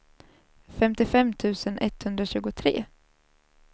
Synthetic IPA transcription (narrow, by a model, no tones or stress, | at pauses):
fɛmt̪ɪfɛmːt̪ʰʉ̟ːsənʔɛt̪ːhɵnd̪ɾaɕʉ̟ːɡʊt̪ʰɾḛː